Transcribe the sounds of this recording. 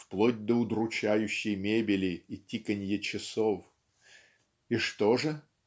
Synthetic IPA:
fplˠodʲd̪əʊd̪ɾʊt͡ɕæjʉɕːɪjmʲebʲɪlʲɪitʲikənʲjət͡ɕɪsof | iʂt̪oʐɨ

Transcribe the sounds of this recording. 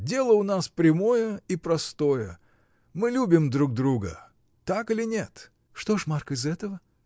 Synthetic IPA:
dʲe̞lˠəʊnaspɾʲɪmo̞jəipɾɐst̪o̞jə | mɨlʲubʲɪmd̪ɾuɡ̚d̪ɾuɡə̰ | t̪akɨlʲɪnʲet̪ | ʂt̪o̞ʂmarkəɪzɛt̪əvə

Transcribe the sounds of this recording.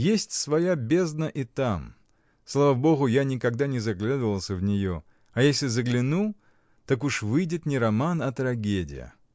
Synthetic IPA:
jesʲtʲsvɐjabʲe̞znəʔɪt̪am | slˠavabo̞ɣʊjanʲɪkɐɡd̪anʲɪzɐɡlʲad̪əvəlˠsʲəvnʲɪjo̞ | ɐjesʲlʲɪzəɡlʲɪnu | t̪akuʂvɨjdʲɪt̪nʲɪɾɐmanɐt̪ɾɐɡʲedʲɪ̰jɪ̰

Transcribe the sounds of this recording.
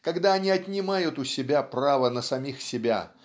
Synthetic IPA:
kɐɡd̪aɐnʲiɐt̪ʲnʲɪmajʊt̪ʊsʲɪbʲapravənəsɐmʲixsʲɪbʲa̰

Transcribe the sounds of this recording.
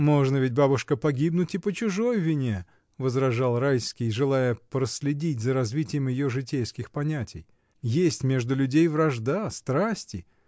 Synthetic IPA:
mo̞ʐnəvʲɪt̚ʲbabʊʂkəpɐɡʲibnʊtʲɪpət͡ɕʊʐo̞jvʲɪnʲe | vəzɾɐʐɑlˠrajskʲɪjʐɨlˠajəpɾəsʲlʲɪdʲitʲzəɾɐzvʲitʲɪjəmjɪjoʐɨt̬ʲejskʲɪxpɐnʲætʲɪj | jesʲtʲmʲe̞ʐd̪ʊlʲʊdʲejvrɐʐd̪ast̪ɾasʲtʲɪ

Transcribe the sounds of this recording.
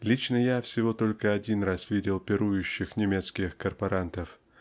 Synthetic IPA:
lʲit͡ɕnəjafsʲɪvo̞t̪o̞lʲkəɐdʲinrasvʲidʲɪlˠpʲɪɾujʉɕːɪxnʲɪmʲet̪skʲɪxkərpɐɾant̪əf

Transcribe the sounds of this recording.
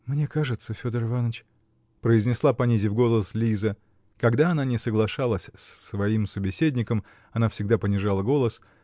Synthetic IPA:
mnʲe̞kaʐɨt̪səfʲo̞d̪ərɨvanət͡ɕ | pɾəɪzʲnʲɪslˠapɐnʲizʲɪvɡo̞lˠəslʲizə | kɐɡd̪aɐnanʲɪsəɡlˠɐʂalˠəsʲsʲsvɐimsəbʲɪsʲedʲnʲɪkəm | ɐnafsʲɪɡd̪apənʲɪʐalˠəɡo̞lˠəs

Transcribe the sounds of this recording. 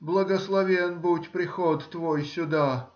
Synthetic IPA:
blˠəɡəslˠɐvʲenbutʲpɾʲɪxɔt̪ːvojsʲʊd̪a

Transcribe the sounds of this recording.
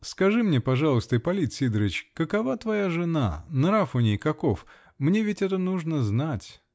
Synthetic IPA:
skɐʐɨmnʲepɐʐɑlˠəst̪əɪpɐlʲit̪sʲid̪ɾəɪt͡ɕkəkɐvat̪vɐjaʐɨna̰nɾafʊnʲejkɐkof | mnʲevʲɪtʲɛt̪ənuʐnəznatʲ

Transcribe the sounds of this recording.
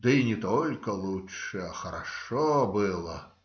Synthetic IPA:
d̪̥ɨinʲɛt̪ɔlʲkɐlˠuʂɛɐxɐɾa̰ʂɔbɨlˠɐ

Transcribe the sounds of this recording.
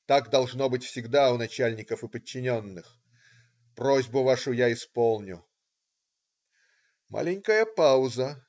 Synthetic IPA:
t̪aɡd̪ɐlˠʐno̞bɨtʲfsʲɪɡd̪aʊnɐt͡ɕælʲnʲɪkəfɨpət͡ɕːɪnʲonːɨx | prozʲbʊvaʂʊjaɪspolˠnʲʊ | ma̰lʲɪnʲkəjəpaʊzə

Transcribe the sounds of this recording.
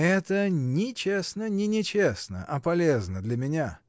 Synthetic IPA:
ɛt̪ənʲɪt͡ɕesnənʲɪnʲɪt͡ɕesnə̰ʔɐpɐlʲeznəd̪lʲɐmʲɪnʲa

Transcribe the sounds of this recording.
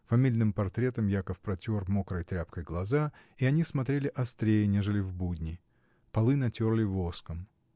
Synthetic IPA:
fɐmʲilʲnɨmpɐrt̪ɾʲe̞t̪əmjakəfpɾɐtʲormo̞kɾəjt̪ɾʲapkəjɡlˠɐzaiɐnʲismɐt̪ɾʲelʲɪʔɐst̪ɾʲejɪnʲe̞ʐɨlʲɪvbudʲnʲɪ | pɐlˠɨnɐtʲo̞rlʲɪvoskəm

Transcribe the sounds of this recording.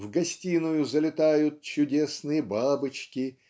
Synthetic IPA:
vɡɐsʲtʲinʊjʊzəlʲɪt̪ajʊt̪̚t͡ɕʊdʲesnɨjəbabɨt͡ɕkʲɪ

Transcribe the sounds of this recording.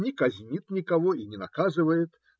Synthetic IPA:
nʲikɐzʲnʲit̪nʲikavɔinʲɛna̰kazɨvɐjɛt̪

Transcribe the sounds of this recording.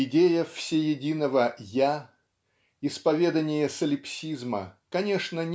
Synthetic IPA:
ɪdʲejəfsʲejɪdʲinəvəja | ɪspɐvʲed̪ənʲɪjəsəlʲɪpsʲizmə̰kɐnʲeʂnənʲ

